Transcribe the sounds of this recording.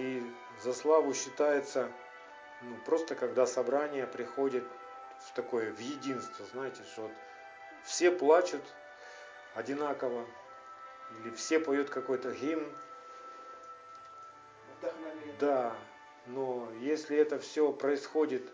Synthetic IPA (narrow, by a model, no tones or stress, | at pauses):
i | zɐslˠavʊɕːɪt̪ajɪt̪sə | nupɾo̞st̪əkɐɡd̪asɐbɾanʲɪjəpɾʲɪxo̞dʲɪt̪ | ft̪ɐko̞jəvjɪdʲinst̪vəznajɪtʲɪʂoot̪ | fsʲe̞plˠat͡ɕʊt̪ | ɐdʲɪnakəvə | ilʲɪfsʲe̞pɐjut̪kɐko̞jt̪əɣʲimn | d̪a | no̞jesʲlʲɪɛt̪əfsʲopɾəɪsxo̞dʲɪt̪